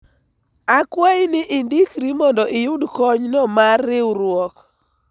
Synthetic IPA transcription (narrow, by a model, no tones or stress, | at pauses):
akwajnɪʔindikɾimɔndɔʔɪjʊdkɔɲnɔmarːɪwɾwɔk